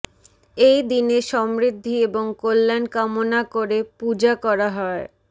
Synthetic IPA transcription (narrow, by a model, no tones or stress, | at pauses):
ejd̪ineʃɔmɾid̪ʱːieboŋkolːankamonakoɾepud͡ʑakɔɾaɦɔe